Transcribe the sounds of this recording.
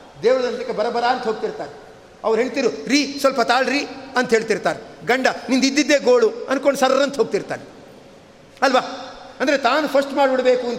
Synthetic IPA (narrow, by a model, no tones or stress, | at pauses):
d̪eːʋɾɐd̪ɐnt̪ɐkːebɐɾɐbɐɾaɐnt̪ɦoːɡ̚t̪iɾt̪aːɾe | ɐʋɐɾɦeɳt̪iɾuɾiːsʋɐlpɐt̪aːɭɾiːɐnt̪ɐɦe̞ːɭt̪iɾt̪aːɾeɡɐɳɖɐnind̪id̪ːid̪ːeːɡoːɭuɐnkoɳɖusɐɾɐnt̪ɐɦoːɡ̚t̪iɾt̪a̰ːne | ɐlʋaːɐnd̪ɐɾet̪aːnupʰɐsʈmaːɖuɽɐbeːkuɐnt̪